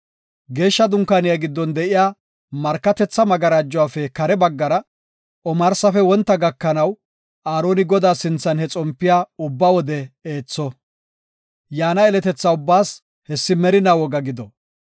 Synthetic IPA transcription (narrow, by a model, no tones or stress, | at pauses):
ɡe̞ːʃːɐd̪ʊŋkːanɪjaɡɪd̪ːɔnd̪ɛʔɪjaː | mɐɾkːɐt̪ɛt͡sːɐmɐɡɐɾaːd͡ʒːɔwaːfɛkɐɾɛbɐɡːɐɾɐ | ʔɔmɐɾsɐfɛwɔnt̪ːɐɡɐkːɐnɐw | aːɾo̞ːnɪɡɔd̪aːsɪnt͡sːɐnhɛt͡sʼɔmpːɪjaːʊbːawɔd̪ɛeːt͡sːɔ | jaːnɐɛlɛt̪ɛt͡sːɐʊbːaːs | hɛsːɪmɛɾɪnawɔɡɐɡɪd̪ɔ